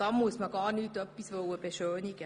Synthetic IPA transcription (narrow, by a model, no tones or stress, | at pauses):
ɑmːuismɑɡɑːnyːt̪ːøpːisʋowəpeʃøːniɡɛ